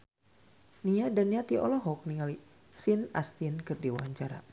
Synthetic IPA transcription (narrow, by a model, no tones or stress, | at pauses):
niadanːiat̪iʔɔlɔɦɔk̚niŋali | sinast̪inkɨrdiwa̰ɲt͡ʃaɾa̰